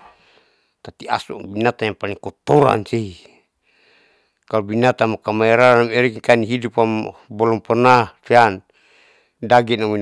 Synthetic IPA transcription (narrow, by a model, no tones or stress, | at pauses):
t̪at̪ia̰subinat̪ajaŋpaliŋkɔt̪ɔɾa̰nsei | kalubinat̪amakamaɛɾanamɛɾikikaniɦidupambɔlɔmpɔnafian | daɡɛnamin